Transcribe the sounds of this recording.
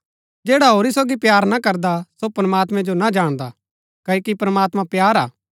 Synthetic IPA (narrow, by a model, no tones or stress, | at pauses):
d͡ʒeːɽaɦoːɾisoːɡipjaːɾnakɐɾd̪asopɾəmaːt̪mɛ̃d͡ʒonad͡ʒaːɽ̃d̪a | kɐokipɾəmaːt̪mãpjaːɾa̰ː